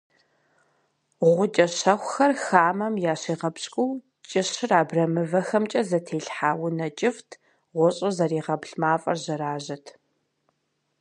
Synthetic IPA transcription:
ʁʁʷʊt͡ʃʼɐɕɐxʷxɐrxaːmɐmjaːɕiːʁɐpɕʼkʷʼʊw | t͡ʃʼɪɕɪraːbrɐmɨvɐxɐmt͡ʃʼɐzɐtʰeːɬħaːwʊnɐt͡ʃʼɪftʰ | ʁʷɔɕʼɐzɐriːʁɐbɬmaːfʼɐ̰rʑɐɾaːʑɐtʰ

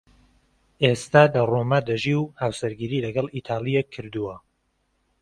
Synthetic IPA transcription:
ʔest̪aːlɐroːmad̪ɐʒiwhaːwsɐɾɡiɾiːlɐɡɐlˠʔit̪ʰaːlˠijekʰːɨɾd̪uwɐ

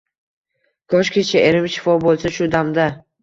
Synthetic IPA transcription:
kʰɒʃkʲʰet͡ʃʰaeɾɪmʃɪ̥fɒbolˠsaʃʊd̪amd̪a

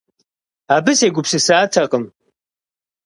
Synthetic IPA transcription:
abɨsejɡʷʊpʰsɨsaːt͡sʰaqʼəm

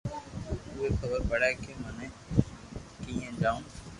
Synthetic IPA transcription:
ʊɦexɐbəɾpɐɽaːɪkʰemãnẽ | kĩːẽd͡ʒaːũː

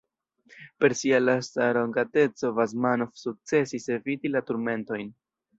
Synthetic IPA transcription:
pe̞ɾsialastaɾoŋɡate̞t͡so̞vazmano̞fsuk̚t͡se̞sisevitilatuɾme̞nto̞jn

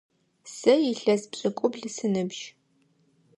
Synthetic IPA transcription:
sɐjɪɬɐzbɕʼɐkʷʼʊbɮɨsɨnɨbʒ̥

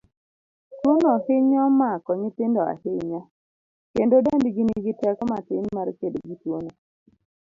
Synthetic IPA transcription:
twonɔhɪɲɔmakɔɲɪt̪ɪndɔa̰hɪɲa | kendodɔndiɡiniɡitɛkɔmat̪ɪ̰nmarkedɡitwono

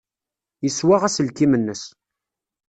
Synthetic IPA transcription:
jəswaʁæsəlkimənːəs

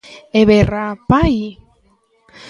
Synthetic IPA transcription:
eβerapaj

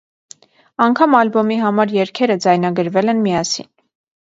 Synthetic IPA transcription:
ɑŋkʰɑmɑlbɔmiɦɑmɑɾjɛɾkʰɛɾəd͡zɑjnɑɡəɾvɛlɛnmiɑsḭn

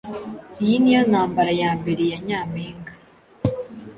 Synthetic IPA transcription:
ijinijanaːmbaɾajaːmbe̞ɾejaɲaːmeːŋɡḁ

